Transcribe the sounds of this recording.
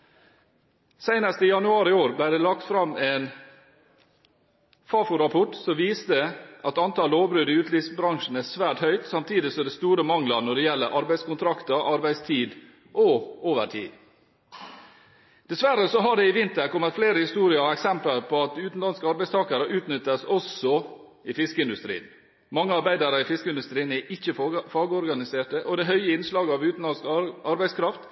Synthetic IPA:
sæɪnɑst̪əɪjɑnʉɑːɾɪoːɾblæɪd̪ɛlɑk̚t̪fɾɑmeːn | fɑːfʊɾɑpʰɔʈsɔʋiːst̪əʔɑt̪ɑnt̪ʰɑːloːbɾʉːd̪ɪʉːt̪lisbɾɑŋʂn̩æsʋæːʈhœʏt̪sɑmt̪ʰiːd̪ɪsɔmd̪ɛst̪uːɾəmɑŋləɾnɔɖɛjɛlːəɾʔɑɾbæɪskʊnt̪ʰɾɑkt̪əɾʔɑɾbæɪst̪ʰiːd̪ | ʔɔoːʋə̰ʈʰḭːd̪ | d̪̥ɛsʋæɾːəsɔɦɑɖɛɪʋɪnt̪əɾkɔmːət̪fleːɾəhɪst̪uːɾɪəɛksɛmpəɾpʰɔɑt̪̚d̪ʉːt̪n̩lɑnskəɑɾbæɪst̪ʰɑːkɑɾəʔʉːt̪nʏt̪ːəsɔsɔ | ɪfɪskəɪnd̪ʉst̪ɾḭːən | mɑŋːəɑɾbæɪd̪ɑɾəɪfɪskəɪnd̪ʉst̪ɾiːənɛʔɪçːəfɑːɡəɔɾɡɑnɪseːʈəʔɔd̪ɛɦœʏəɪnslɑːɡəɑʋʉːt̪nɑskɑɾbæɪskʰɾɑft̪

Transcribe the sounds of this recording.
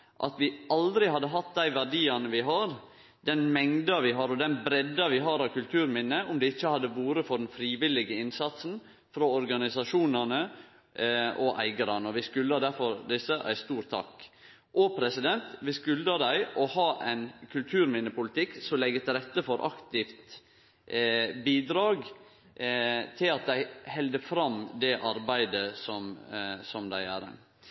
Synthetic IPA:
ʔɑ̰t̪ʋɪʔɑld̪ɾɪhɑd̪ːəɦɑt̪d̪æɪʋæɖiːɑnəʋɪɦɑɾ | d̪ɛnmɛŋd̪ɑʋɪɦɑɾɔd̪ɛnbɾɛd̪ɑʋɪɦɑːɾɑʋkʉlt̪ʰʉːɾmɪnːəʔʊmd̪ɛɪçːəhɑd̪ːəʋuːɾəfɔɖɛnfɾiːʋɪlɪɡəɪnsɑt̪sn̩ | fɾoɔɾɡɑnɪsɑʂuːnənə | ɔʔæ̰ɪɡəɾɑnəɔʋɪskʉlːəɑd̪æɾfɔɾd̪ɪsːəʔæ̰ɪst̪uːɾt̪ʰːɑ̰kː | ʔɔpʰɾɛsɪd̪ɛnt̪ʋɪskʉld̪ɑd̪æɪʔɔhɑːʔæɪnkʰʉlt̪ʰʉːɾmɪnəpʊlɪt̪ʰɪkːsɔlɛɡət̪ɪlɾɛt̪ːəfɔɾʔɑkt̪ɪft̪ | biːd̪ɾɑːɡ | t̪ʰɪlɑt̪̚d̪æɪhɛld̪əfɾɑmd̪ɛʔɑɾbæɪd̪əsɔmsɔmd̪æɪæ̰ɾɛ̰n

